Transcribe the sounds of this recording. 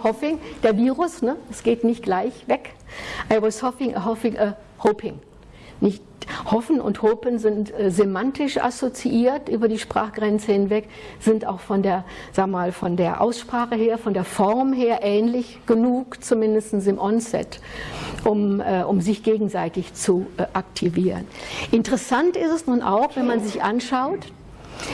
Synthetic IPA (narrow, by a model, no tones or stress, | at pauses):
hɔfɪŋd̥eːɐviːʁʊsnə̥asɡ̥eːtnɪçt̚ɡ̥laɪçvɛkʔaɪvɔshɔfɪŋʔə̰ɦofɪŋʔə | hopʰɪŋ | nɪçt | hɔfn̩ʊ̰nthoːpənzɪntɛːzemantɪʃʔa̰sot͡siʔiːɐtʔyːbɐdiːʃpʁ̥a̰ːχɡ̥ʁɛnt͡səhɪnvɛk | z̥ɪnta̰ʊxfɔndeːɐz̥aːɡŋmaːlfɔndeːɐʔa̰ʊsʃpʁ̥aːχəɦeːɐfɔndeːɐfɔʁmɦeːɐʔɛːnlɪç | ɡ̥ənuːkt͡sumɪndəstn̩sɪmʔɔnsɛ̰t | ʔʊmɛːʔʊmzɪçɡ̥eːɡŋ̩zaɪtɪçt͡suʔak̚tʰiviːʁə̰nʔɪntəʁəsantɪstɛsnuːnʔa̰ʊxv̥ɛnmanzɪçʔanʃaʊt